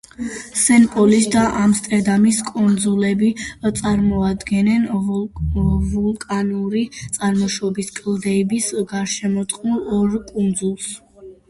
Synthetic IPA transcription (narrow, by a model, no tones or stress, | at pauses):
sɛnpʼɔlisd̪aʔamst̪ʼɛɾd̪amiskʼund̪zulɛbit̪sʼaɾmɔad̪ɡɛnɛn | vulˠkʼanuɾit̪sʼaɾmɔʃɔbiskʼld̪ɛbisɡaɾʃɛmɔt̪ʼqʼnulˠɔɾkʼund̪zulˠs